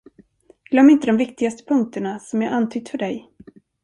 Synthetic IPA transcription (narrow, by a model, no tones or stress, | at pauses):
ɡ̥lœmːɪnt̪əd̪ɔmvɪkt̪ɪɡast̪ə̥pʰɵŋk̚t̪əɳasɔmjaʔant̪ʰʏɡ̚t̪fœɖɛj